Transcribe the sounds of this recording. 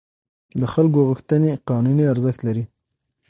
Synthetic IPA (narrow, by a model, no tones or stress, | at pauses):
d̪əxalk̬oɣəxt̪əneqɑnuniaɾzəxt̪laɾi